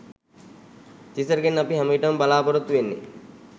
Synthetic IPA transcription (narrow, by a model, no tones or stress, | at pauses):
t̪isɐɾɡenːɐpiɦɐmɐiʈɐmbalaːpɐɾut̪ːuʋenːḛ